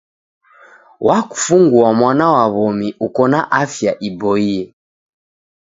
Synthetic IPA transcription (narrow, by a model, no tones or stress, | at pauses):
waku̥fuŋɡuamwanawaβɔmiʔukɔnaʔafjaʔibɔiɛ